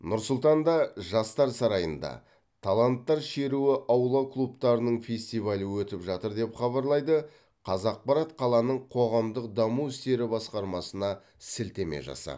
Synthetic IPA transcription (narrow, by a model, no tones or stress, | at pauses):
nʊɾsʊlˠt̪ɑnd̪ɑʒɑst̪ɑɾsɑɾɑjənd̪ɑ̰ | t̪ʰalˠant̪ːɑɾʃe̞ɾuɪʔɑwlˠɑklˠupt̪ɑɾənəɴfʲe̞sʲt̪ijvalʲəwɵt̪ɪpʒɑt̪əɾd̪e̞pχɑβɑɾlˠɑjd̪ə | qʰɑzɑq̚pɑɾɑt̪qʰɑlˠɑnəɴqʰo̞ʁɑmd̪əqd̪ɑmuɪst̪e̞ɾɪbɑsqɑɾmɑsənɑ | sɪlt̪e̞mḛʒɑ̰sɑ̰